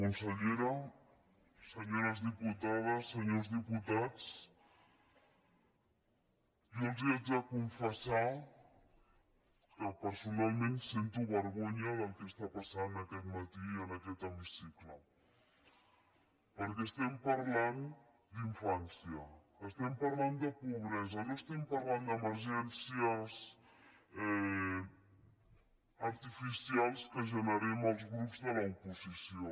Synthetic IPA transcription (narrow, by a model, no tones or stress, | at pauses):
kunsəʎeɾə | səɲoɾəzðiput̪að̞əsːəɲozðiput̪at͡s | jolˠziad͡zəkuɱfəsa | kəpəɾsunalˠmẽnsent̪uβəɾɣoɲəðəlˠkəst̪apasanəkɛt̪mət̪iənəkɛt̪əmisiklə | poɾkeʃt̪empɐɾlˠãnd̪u | d̪ĩɱfãnsjɐ | ɐʃt̪empɐɾlˠãnd̪ud̪ɐpuβɾɛzɐnoʃt̪empɐɾlˠãnd̪d̪ɐmɐɾʒensjɐs | ɛ | ɐɾt̪ifisialʃkɐʒɐnɐɾiɐmawzɣɾupuzðɐlɐpuzisjõ